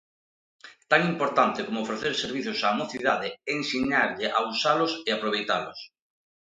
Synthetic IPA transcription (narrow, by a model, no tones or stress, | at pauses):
t̪aŋimpoɾt̪ant̪ɪkomoːfɾeθeɾseɾβ̞iθʊsaːmoθiðaðeeŋsiɲaɾʎɪʔausalʊseapɾoβ̞ejt̪alʊs